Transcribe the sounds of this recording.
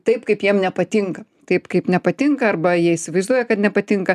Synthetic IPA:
t̪ɐɪpkɐɪpjiɛmnʲɛpɐt̪ʲɪŋkɐt̪ɐɪpkɐɪpnʲɛpɐt̪ʲɪŋkɐɐrbɐjiɛɪsʲɪʋɐɪzd̪uɔjɛkɐt̪nʲɛpɐt̪ʲɪŋkɐ

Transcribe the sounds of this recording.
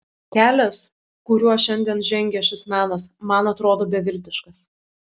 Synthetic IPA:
kʲæːlʲɛs | kʊɾʲuɔʃʲɛnʲd̪ʲiɛnʒʲɛŋʲɡʲɛʃʲɪsmʲæːnɐsmɐnɐt̪ɾoːd̪oːbʲɛʋʲɪlʲt̪ʲɪʃkɐs

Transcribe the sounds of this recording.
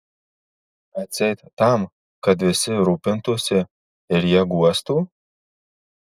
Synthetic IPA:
at͡sejt̪t̪am | kad̪vɪsɪɾupent̪usʲe | eɾjaɡuast̪u

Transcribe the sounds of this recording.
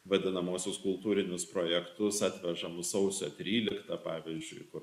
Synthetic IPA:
ʋɐd̪ʲɪnɐmoːsʲʊskʊlˠt̪uːɾʲɪnʲʊspɾoːjɛkt̪ʊsɑːt̪ʲʋʲɛʒɐmʊssɒʊsʲoːt̪ʲɾʲiːlʲɪkt̪ɐpɑːʋʲiːzʲd͡ʒʲʊɪkʊr

